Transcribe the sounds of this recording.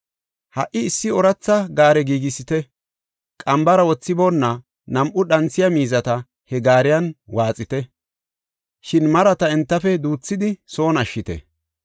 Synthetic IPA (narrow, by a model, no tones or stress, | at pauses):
hɐ̰ʔɪːsːɪɔɾɐt͡sːɐɡaːɾɛɡiːɡɪsɪt̪ɛ | kʼɐmbɐɾɐwɔt͡sːɪboːnːɐ | nɐmʔʊɗɐnt͡sːɪjɐmiːzɐt̪ɐ | hɛɡaːɾɪjɐnwaːt͡sʼɪt̪ɛ | ʃɪnmɐɾɐt̪ɐɛnt̪ːɐfɛd̪uːt͡sːɪd̪ɪso̞ːnɐʃːɪt̪ɛ̰